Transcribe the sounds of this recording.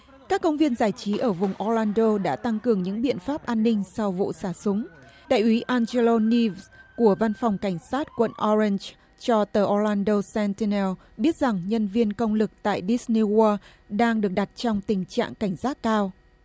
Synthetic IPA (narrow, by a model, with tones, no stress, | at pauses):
kaː˦˥kːə˧wŋ͡mvi˧ənzaː˧˩jt͡ɕi˨˦ʔəː˧˩vʊ˨˩ŋ͡mʔɔ˧laː˧nɗo˧ɗa̰ː˧˥t̪a˧ŋkɨ˨˩əŋɲɨ̰˧˥ŋɓḭ˧˨ənfaː˦˥p̚ʔaː˧nːï˧ŋ̟sa˧wvṵ˧˨saː˧˩sʊ˨˦ŋ͡m | ɗa̰ː˧˨jʔwi˨˦ʔaː˧nze˧lo˧ni˧vku˧˩əva˧nfa˨˩wŋ͡mka˧˩jŋ̟saː˦˥t̚kwə̰˧˨nʔɔ˧ɹi˧nz | t͡ɕɔ˧t̪əː˨˩ʔɔ˧la˧nɗo˧sɛ˧nti˧nɛ˧w | ɓi˦˥ət̚z̥a˨˩ŋɲə˧nvi˧ənkə˧wŋ͡mlɨ˨˩k̚t̪a̰ː˧˨jɗi˦˥sni˧waː˧ | ɗaː˧ŋɗɨ˨˩ək̚ɗa˨˩t̚t͡ɕɔ˧wŋ͡mt̪ï˨˩ŋ̟t͡ɕa̰ː˧˨ŋka˧˩jŋ̟saː˦˥t̚kaː˧w